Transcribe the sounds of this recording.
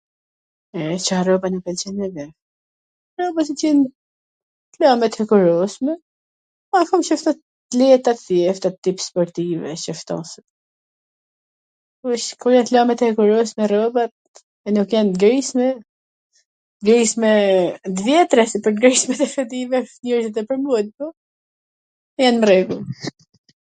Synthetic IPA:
ɛt͡ʃarɔbanɛpɛlt͡ʃɛnɛvɛ | rɔbas̬it͡ʃɛn | t̪lamɛt̪hɛkuɾɔsmɛ | afɔmʃəft̪ɔ | lɛt̪at̪θjɛft̪at̪ːipspɔɾt̪ivɛ̰ʃəft̪ɔ̰sə | uʃkujɛnt̪lamɛt̪hɛkuɾɔsmɛrɔbat̪̚ | ɛnukjanɡɾismɛ | ɡɾismɛd̪vjɛt̪ɾɛsipəɾɡɾismɛt̪ɛfɛt̪ivɛfniɾzɛt̪ɛpəɾmud̪̚pɔ | janmɾɛɡu

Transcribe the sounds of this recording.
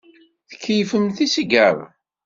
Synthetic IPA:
θə̥kːifəmθisəɡəɾ

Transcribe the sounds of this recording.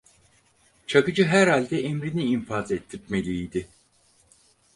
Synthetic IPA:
t͡ʃʰakɯd͡ʒɯɦæɾhalʲd̪ɛemɾiniːɱfazet̪ʰːip̚melʲijd̪ɪ

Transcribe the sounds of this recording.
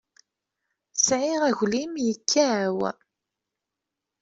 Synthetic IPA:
sʕɪʁæʝlimjəkʰːæw

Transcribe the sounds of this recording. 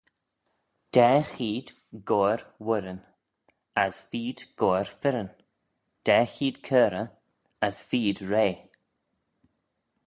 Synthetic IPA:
d̪̥ɛːxiːd̪ | ɡoːɾwʊɾən | asfiːd̪̥ɡ̥oːɾfɪɾən | d̥ɛːxiːd̪kʰəːɾə | asfiːd̪ɹeː

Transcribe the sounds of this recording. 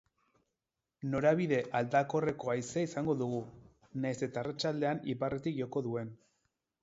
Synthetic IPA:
no̞ɾaβiðe̞ʔald̪ako̞re̞ko̞ajseaisaŋɡo̞ðuɣu | najse̞t̪aːrat͡ʃald̪e̞aniparet̪ikʝo̞ko̞ðue̞n

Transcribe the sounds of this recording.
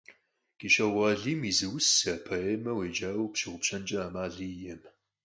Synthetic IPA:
ɡ̥iɕɐʁʷɐɮiːmizɨwʊsɐpʰɐeːmɐweːd͡ʒaːwupʃiʁʷʊpɕɐnt͡ʃʼɐaːmaːɮiːjɛm

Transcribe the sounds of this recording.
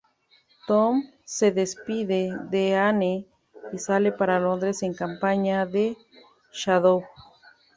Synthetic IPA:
t̪om | seðespiðeðeane | kisalepaɾalond̪ɾeseŋkampaɲaðe | ʃaðo

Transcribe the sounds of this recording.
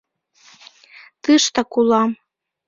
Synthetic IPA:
t̪ɨʃt̪ɑkulˠɑm

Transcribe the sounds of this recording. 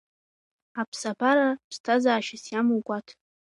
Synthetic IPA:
apʰsabaɾapʰstʰazaːʃasjamuwɡʷʼatʰ

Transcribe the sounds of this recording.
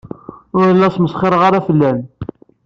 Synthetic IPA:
ʊɾəlːæsməsˤχeɾˤʁɑɾˤæfəlːæn

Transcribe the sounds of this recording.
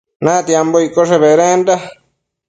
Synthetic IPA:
nãt̪jamboikoʂeβeɾẽnd̪a

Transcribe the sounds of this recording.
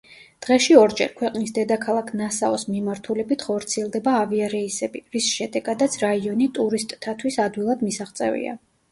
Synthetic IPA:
d̪̥ʁɛʃiɔɾd͡ʒɛ̰ɾkʰwɛqʼnisd̪ɛd̪akʰalˠakʰnasaɔsmimaɾt̪ʰulɛbit̪ʰχɔɾt̪sʰiɛlˠd̪ɛbaːviaɾɛisɛbiɾisʃɛd̪ɛɡad̪at̪sʰɾaiɔnit̪ʼuɾist̪ʼt̪ʰat̪ʰwisad̪wilˠad̪misaʁt̪sʼɛ̰vḭa̰

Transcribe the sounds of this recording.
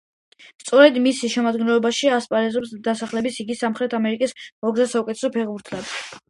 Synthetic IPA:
st̪sʼɔɾɛd̪misiʃɛmad̪ɡɛnlɔbaʃiaspʼaɾɛzɔpsd̪asaχlɛbisiɡisamχɾɛt̪ʰamɛɾikʼismɔɡzasaukʼɛt̪ʰɛ̥sɔpʰɛʁbuɾt̪ʰlɛb̪

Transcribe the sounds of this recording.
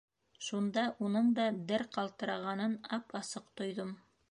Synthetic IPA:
ʃund̪ɑʔunɤɴd̪ɑd̪ɘɾqɑlˠt̪ɤ̆ɾɑʁɑnɤnɑpɑsɤqt̪ŏjðɤm

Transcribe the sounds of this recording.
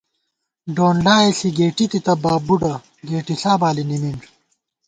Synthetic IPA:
ɖoːnɖaːeɬiɡeːʈit̪it̪ɐbaːbuɖɐ | ɡeːʈiɬaːbaːlinimiɳd͡ʑ

